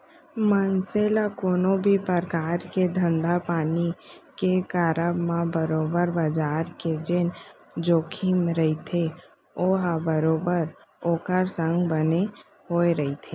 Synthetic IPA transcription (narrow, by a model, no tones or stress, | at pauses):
mənselakoːnobʱipəɾkaːɾked̪ʱə̃nd̪apaːnikekaːɾəbmãbəɾoːbəɾbəd͡ʒaːɾked͡ʒen | d͡ʒoːkʰiːmɾəɦit̪ʰe | oːɦabəɾoːbəɾ | oːkəɾsə̃ŋɡbəne | ɦoːeɾəit̪ʰeː